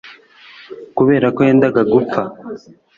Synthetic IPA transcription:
kuβe̞ːɾakojeːndaɡaɡup͡ffa

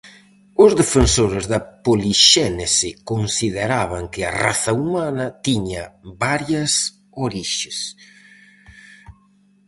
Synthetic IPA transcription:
ʊzðefensoɾɪzðɐpoliʃɛnesɪkonsiðeɾaβ̞ɐŋkɪɐ̰ra̰θaumanɐt̪iɲɐbaɾjɐs | oɾiʃes

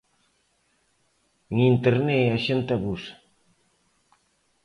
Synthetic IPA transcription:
ŋint̪eɾneaʃent̪aβus

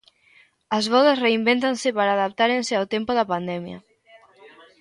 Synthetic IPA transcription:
ɐzβɔðasreimbent̪ansepaɾaːðap̚t̪aɾenseawt̪empoðɐpand̪ɛmja̰

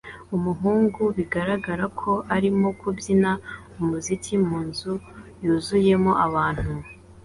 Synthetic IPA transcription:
umuɦuːŋɡuβiɡaɾaɡaɾakʰo̞ʔaɾimo̞kubjina | umuzikimuːnzujuːzuje̞mo̞ʔaβaːn̥hu

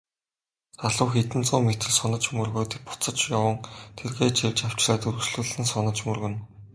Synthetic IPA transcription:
aɮʊːxet̪ɘ̆nt͡sʊːmet̪ɘ̆ɮsɔnə̆t͡ɕmɵrɣoːt̪ik̚pʊ̥t͡sə̆t͡ɕjawə̆ŋt̪ʰerɣeːt͡ɕʰewʲt͡ɕaw̥t͡ɕraːt̪ɵɾɵ̆ksɮuːɮɘ̆nsɔnə̆t͡ɕmɵrɣɘ̆n

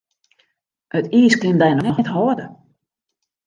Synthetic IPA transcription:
hətiːskɪndɛjnɔnɔxɛthɔədə

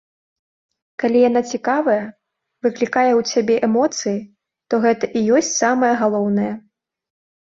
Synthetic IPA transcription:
kalʲijan̪at͡sʲikavɐjɐ | vɨklʲikajɛwsʲabʲɛʔɛmɔt̪sɨji | t̪ɔɣɛt̪ɐʔijɔsʲt͡sʲsamɐjɐɣalˠɔwnɐjɐ

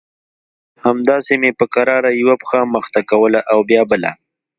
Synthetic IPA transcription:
hamd̪ɑsemepəkaɾɑɾajwapxaməxt̪akawəlaʔawbjɑbəla̰

